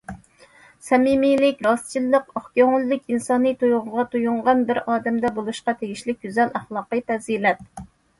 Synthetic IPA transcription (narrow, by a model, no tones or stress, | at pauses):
sɛmimilɪkʲɾɑst͡ʃʰilːəqɑχkʲøŋʊlˠːɨkʲinsɑnɨt̪ʰojʁʊʁɑt̪ʰujuɴʁɑnbɪɾɑːd̪ɛmd̪ɛbolˠuʃqɑt̪ʰeɡʲiʃlɪk̚ʲɡʲyzɛlæχlˠɑːqəpʰɛzilɛt̪̚